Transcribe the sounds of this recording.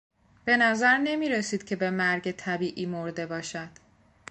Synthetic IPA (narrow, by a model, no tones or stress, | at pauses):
b̥e̞næzæɾne̞miːɾe̞siːd̪̥cʰe̞be̞mæɾɟet̪ʰæbiːʔiːmo̞ɾd̪e̞bɒːʃæd̪̥